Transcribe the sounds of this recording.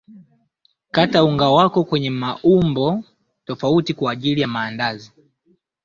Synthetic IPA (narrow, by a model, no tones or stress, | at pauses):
katauŋɡawakɔkwɛɲɛmaʔumbɔ | tɔfautikwaːʄilijamaːndazi